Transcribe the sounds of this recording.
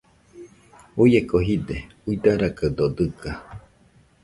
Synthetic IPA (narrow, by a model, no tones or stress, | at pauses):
ujekoɦid̪e | uid̪aɾakad̪od̪ɨka